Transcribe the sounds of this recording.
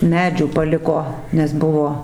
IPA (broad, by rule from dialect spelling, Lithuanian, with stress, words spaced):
ˈmʲæːd͡ʒʲuː pɐˈlʲɪkoː nʲɛs ˈbʊʋoː